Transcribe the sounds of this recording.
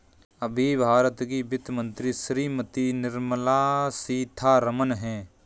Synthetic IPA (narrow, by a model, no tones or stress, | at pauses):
əbʱiːbʱaːɾət̪kibɪt̪mə̃nt̪ɾiːsɾiːmət̪inɪɾmlaːsiːt̪ʰaːɾəmənɦɛ̃ː